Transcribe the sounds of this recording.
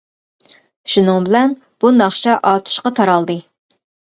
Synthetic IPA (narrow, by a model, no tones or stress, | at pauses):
ʃunɨŋbɪlɛn | b̥unɑχt͡ʃʰɛʔɑt̪ʰu̥ʃqɑt̪ʰɑɾɑlˠd̪ɨ